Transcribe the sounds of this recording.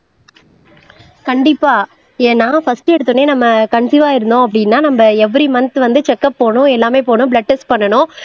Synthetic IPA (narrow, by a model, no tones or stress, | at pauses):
kɐɳɖɪpːaː | eːnːaːfɐsʈɯɛɽɯt̪ːɯneːnɐmːɐkɐɳsiʋaːɪɾɯnd̪õːɐp̬ːɐɽɪnːaːnɐmbɐɛʋːɐɾimɐnɐt̪ːɯʋɐnd̪ɯt͡ʃɛkːɐppoːɳʊ̃ɛlːaːmeːpoːɳʊ̃bɭɐʈːɐspɐɳːɐɳʊ̃